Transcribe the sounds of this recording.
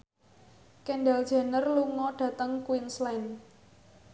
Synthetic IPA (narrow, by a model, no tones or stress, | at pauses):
kɛnɖal̥ʒ̥a̤nərluŋɔɖ̥ä̤t̪əŋkuwinslan